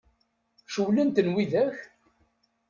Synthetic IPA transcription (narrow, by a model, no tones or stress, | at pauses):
ʃəwlənt̪ənwiðæç